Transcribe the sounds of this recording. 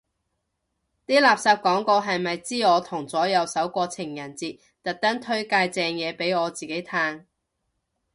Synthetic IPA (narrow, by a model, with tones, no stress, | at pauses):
t̪iː˥laː˨˩p̚saː˧p̚kɔː˨˥ŋkɔː˧ɦɐ˨jmɐ˨jt͡siː˥ɔː˨˧t̪ʰʊ˨˩ŋt͡sɔː˨˥jɐ˨˧wsɐ˨˥wkʷɔː˧t͡sʰɪ˨˩ŋjɐ˨˩nt͡siː˨t̚ | t̪ɐ˨t̚t̪ɐ˥ŋt̪ʰɵ˥ɥkaː˧jt͡sɛː˧ŋjɛː˨˧pe˨˥jɔː˨˧t͡siː˨ke˨˥jt̪ʰaː˧ŋ